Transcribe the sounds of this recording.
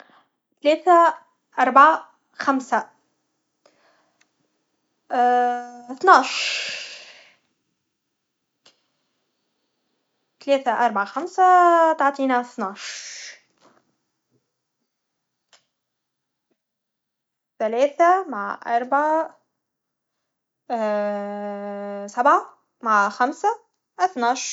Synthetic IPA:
t̪alɛːθæ | ʔɑɾˤbʕa | xamsa | θnɑʕʃ | t̪lɛːθaʔɑɾˤbʕaxamsat̪ɑʕt̪ˤiːnaθnɑʃ | θælɛːθamaʕʔɑ̰ɾˤbʕa | sæbʕa | maʕxæmsa | ʔaθnɑʃ

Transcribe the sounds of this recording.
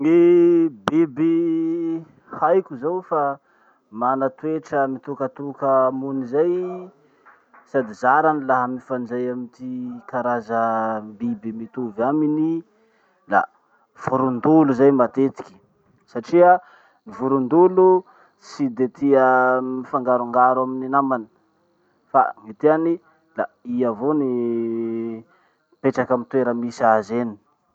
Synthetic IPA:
ŋebebi | hajkʲuzawfa | manat̪weʈ͡ʂəmit̪ukət̪ukəmunizaj | sad̪izaɾanilaɦamifand͡zajamit̪ikaɾazəmbibimit̪uvamini | la̰ | v̥uɾund̪uluzajmat̪et̪i̥kʲi̥ | saʈ͡ʂia | nivuɾund̪ulu | sid̪et̪iəmifaŋɡaɾuŋɡaɾwamininamani̥ | fa̰mit̪eani | laiavoni | peʈ͡ʂakamit̪weɾəmisiazeni̥

